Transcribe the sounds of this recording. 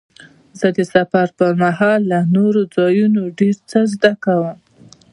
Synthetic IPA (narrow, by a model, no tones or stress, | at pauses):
zəd̪əsafaɾpəɾmaɦɑlːanoɾod͡zɑjunoɖeɾt͡səzd̪akawəm